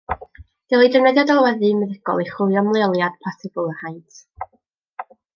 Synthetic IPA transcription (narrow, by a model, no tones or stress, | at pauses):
d̥ilˠidənɛðjadalˠwɛðɨmɛðɪɡɔ̰lˠiχʊjɔmlˠɛɔlˠjad̥pʰɔsɪbʊlˠərhajtʰ